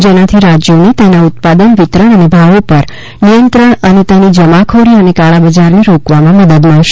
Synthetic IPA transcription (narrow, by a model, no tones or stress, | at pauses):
d͡ʒenat̪ʰiɾad͡ʒjonet̪enaʊt̪̚pad̪ənʋɪt̪ɾəɳ̃ənebʱaʋopəɾ | nijənt̪ɾəɳənet̪enid͡ʒəmakʰoɾiənekaɭabəd͡ʒaɾneɾokʋamãməd̪əd̪məɳʃ